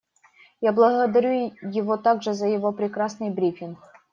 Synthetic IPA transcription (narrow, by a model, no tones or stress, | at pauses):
jablˠəɣəd̪ɐɾʲujɪvot̪aɡʐɨzəjɪvo̞pɾʲɪkɾasnɨjbɾʲifʲɪnk